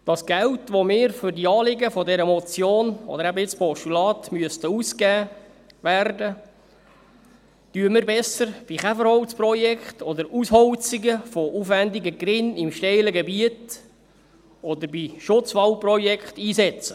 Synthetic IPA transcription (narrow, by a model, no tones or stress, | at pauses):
d̥ɑsɡ̥æwtʋomɪːɾfʏɾdiɑːlɪɡəfɔdɛɾəmɔt͡sjoːnɔ̰dəɾæbəɪt͡spɔʃtulɑːtmyəstəuskæː | ʋærdə | tyəməɾbɛsəɾb̥iχæfəɾhɔwsprɔjɛkχtɔd̪əɾusɦɔwt͡siɡəfɔʔufʋændiɡəɡɾɪnimʃtɛɪləɡɛbiət | ɔd̪əɾbiʃʊt͡sʋɑlprɔjɛkχtiːsɛt͡sə